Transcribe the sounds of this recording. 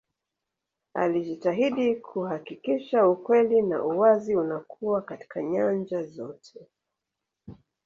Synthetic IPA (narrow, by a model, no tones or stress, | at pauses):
a̰liʄitaɦiɗikʰuhakikiʃaukwɛlina̰ʔuwaziunakʰuwakati̥kaɲand͡ʒazɔtʰɛ